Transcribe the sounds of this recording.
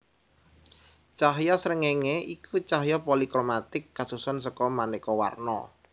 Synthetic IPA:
t͡ʃaɦjɔsɾəŋeŋeʔikʰut͡ʃaɦjɔpolikɾomat̪ɪkːasusɔnsɔkɔmanekɔwa̰rnɔ̰

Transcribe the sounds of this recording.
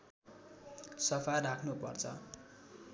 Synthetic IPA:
sʌpʰajrakʰnupʌ̰rt͡sʰʌ̰

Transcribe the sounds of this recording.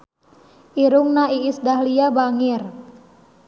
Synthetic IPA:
ʔiɾʊŋnaiːsdahliabaŋɪr

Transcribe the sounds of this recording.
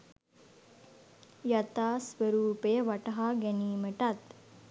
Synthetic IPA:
jɐt̪aːsʋəɾuːpejəʋaʈɐɦaɡɛniːməʈat̪

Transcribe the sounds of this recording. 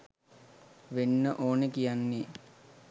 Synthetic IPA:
ʋenːəʔoːnekijanːe

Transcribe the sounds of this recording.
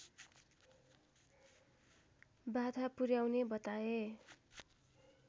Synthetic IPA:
bad̪ʱapuɾjawnebʌt̪ae

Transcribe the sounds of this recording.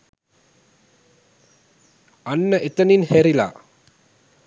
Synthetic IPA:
ɐnːɐʔet̪ɐninheɾila̰ː

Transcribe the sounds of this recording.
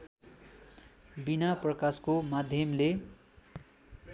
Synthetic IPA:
binaprʌkaskomad̪ʱjʌmle

